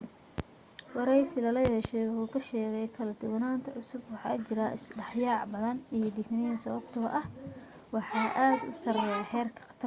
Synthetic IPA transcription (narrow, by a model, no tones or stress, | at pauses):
wɑɾɛjsɪlɐlɐjɐɛʃɛjwʊħuːkʰɐʃɛːɣɛjkʰɐlɐd̪ʊwɐnaːnt̪ʰɐʕʊsʊbwɑħɑ̰ːt͡ʃɪɾaːɪ̰sɖɑħjaːʕbɐðɐnijɞd̪ɪknɪjɐnsɐβɐb̥t̪ʰɐ̰ʔɐh | wɑħɑːʔaːd̪ʊ̰sɐrɛjaħɛːrkʰɐ̥qɐ̥t̪ʰɐr